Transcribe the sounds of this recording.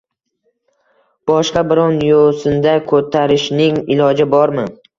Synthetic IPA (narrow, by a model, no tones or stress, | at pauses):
b̥ɒʃqɑbɪɾɒnjosɪnd̪akʰɵt̪ʰaɾɪʃnɪŋɪlˠɒd͡ʒɪbɒɾmɪ